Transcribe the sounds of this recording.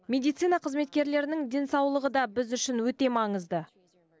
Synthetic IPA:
mʲe̞d̪ijt̪sijnɑqʰəzme̞t̪̚kʲe̞ɾle̞ɾɪnɪŋd̪e̞nsɑwlˠəʁəd̪ɑbɪzʏʃɪnwɵt̪e̞mɑɴəzd̪ə

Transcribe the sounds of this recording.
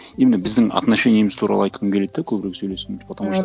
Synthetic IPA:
emɪnebɪzd̪ɪŋɑ̰t̪nɑʃe̞njemɪz̥t̪ʰuɾɑ̰lˠəɑjt̪qəkʲʰele̞t̪ːekʲʰɵbɪɾe̞ksɵjle̞sempʰot̪ɑmɑʃ

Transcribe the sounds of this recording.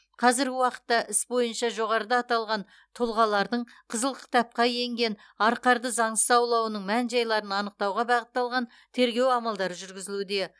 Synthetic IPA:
qʰɑzɪɾɡʲɪwɑqə̥t̪ːɑʔɪsbo̞jənʃɑʒo̞ʁɑɾəd̪ɑːt̪ɑlˠʁɑn | t̪ʰʊlˠʁɑlˠɑɾd̪əɴ | qʰəzəlˠkʲʰɪ̥t̪ɑp̚qɑje̞ŋɡʲe̞n | ɑɾqɑɾd̪əzɑɴsəzɑwlˠɑwənəɴmænʒɑjlˠɑɾənɑnəq̚t̪ɑwʁɑbɑʁət̪ːɑlˠʁɑn | t̪ʰe̞ɾɡʲe̞wɑmɑlˠd̪ɑɾəʒʏɾɡʲɪzɪlud̪e̞

